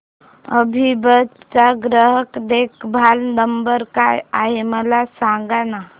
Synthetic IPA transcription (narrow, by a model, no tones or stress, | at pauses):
əbʱibətt͡ʃaɡɾəɦəkd̪ekʰbʱalnəmbəɾkajaɦeməlasãŋɡana